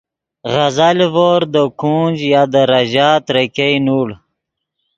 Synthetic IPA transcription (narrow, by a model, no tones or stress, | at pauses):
ɣazalvoɾd̪əkʰuːnʲd͡ʒjaːd̪əɾaʑaːt̪ɾekejnuɽ